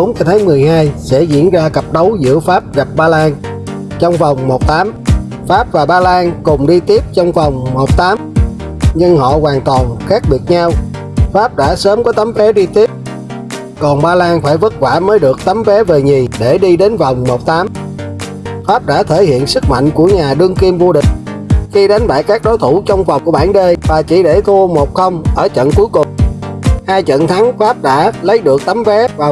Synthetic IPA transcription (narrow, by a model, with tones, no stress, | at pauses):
ɓo˨˦nt͡ɕa˧t̪ʰaː˨˦ŋmɨ˨˩əjhaː˧jsɛ̰˧˥zḭ˧˥ənzaː˧kə˨˩p̚ɗə˨˦wzɨ̰˧˥əfaː˦˥p̚ɣa˨˩p̚ɓaː˧laː˧n | t͡ɕɔ˧wŋ͡mva˨˩wŋ͡mmo˨˩t̚t̪aː˨˦m | faː˦˥p̚vaː˨˩ɓaː˧laː˧nkʊ˨˩ŋ͡mɗi˧t̪i˦˥əp̚t͡ɕɔ˧wŋ͡mva˨˩wŋ͡mmo˨˩t̚t̪aː˨˦m | ɲɨ˧ŋhɔ̰˧˨ɣwaː˨˩nt̪wɔ˨˩nxaː˦˥k̚ɓi˨˩ət̚ɲa˧w | faː˦˥p̚ɗa̰ː˧˥səː˨˦mkɔ˨˦t̪a˨˦mfɛ˨˦ɗi˧t̪i˦˥əp̚ | kɔ˨˩nɓaː˧laː˧nfaː˧˩jvə˦˥t̚kwaː˧˩məː˨˦jɗɨ˨˩ək̚t̪a˨˦mvɛ˨˦ve˨˩ɲi˨˩ɗe˧˩ɗi˧ɗe˨˦nva˨˩wŋ͡mmo˨˩t̚t̪aː˨˦m | faː˦˥p̚ɗa̰ː˧˥t̪ʰe˧˩jhḭ˧˨ənsɨ˦˥k̚ma̰˧˨jŋ̟ku˧˩əɲaː˨˩ɗɨ˧əŋki˧mvo˧ɗï˨˩ŋ̟ | xi˧ɗa˨˦jŋ̟ɓa̰ː˧˨jkaː˦˥k̚ɗɔ˨˦jt̪ʰu˧˩t͡ɕɔ˧wŋ͡mvɔ˨˩wŋ͡mku˧˩əɓaː˧˩nɗe˧jvaː˨˩t͡ɕi˧˩ɗe˧˩t̪ʰu˧əmo˨˩t̚xə˧wŋ͡mʔəː˧˩t͡ɕə̰˧˨nku˨˦jkʊ˨˩ŋ͡mhaː˧jt͡ɕə̰˧˨nt̪ʰa˨˦ŋfaː˦˥p̚ɗa̰ː˧˥lə˨˦jɗɨ˨˩ək̚t̪a˨˦mvɛ˨˦vaː˨˩